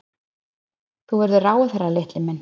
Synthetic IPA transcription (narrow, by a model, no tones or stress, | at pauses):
θuvɛɾðʏraːwaθɛrːalɪht̪lɪmɛnː